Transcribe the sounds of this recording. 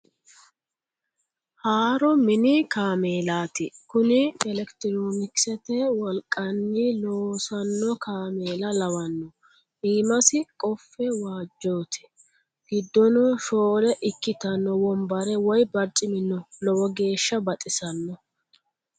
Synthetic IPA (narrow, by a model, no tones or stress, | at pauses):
haːɾɔmɪnɪkaːmeːlaːt̪ɪkʊnɪɛlɛkt̪ɪɾoːnɪksɛt̪ɛwɔlkʼːɐnːiloːwsɐnːɔkaːmeːlɐlɐwɐnːɔ | ʔiːmɐsɪkʼɔfːɛwaːd͡ʒːo̞ːt̪ʰɪ̥ | ɡ̥ɪd̪ːɔnɔʃoːlɛʔɪkːɪt̪ɐnːɔwɔmbɐɾɛwɔjbɐɾt͡ʃʼɪmɪnːɔlɔwɔɡe̞ːʃːɐbɐt̪ʼɪsɐnːɔ